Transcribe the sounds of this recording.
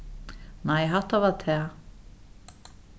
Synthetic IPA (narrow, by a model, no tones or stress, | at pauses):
najɦaht̪avaɾt̪ʰɛː